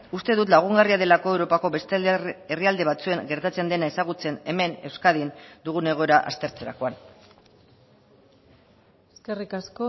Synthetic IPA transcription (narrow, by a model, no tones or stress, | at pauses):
ust̪e̞ðut̪laɣ̞uŋɡariaðe̞lako̞e̞wɾo̞pako̞βe̞st̪eriald̪e̞βat͡sue̞ŋɡe̞ɾt̪at͡se̞nd̪e̞nae̞saɣ̞ut͡se̞ne̞me̞ne̞wskað̞ind̪uɣ̞une̞ɣ̞o̞eɾaʔa̰st̪e̞ɾt͡se̞ɾa̰ko̞an | eskerikasko